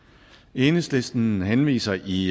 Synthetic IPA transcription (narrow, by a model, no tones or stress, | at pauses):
eːnəslesd̥n̩ɦenʋḭːsɐʔi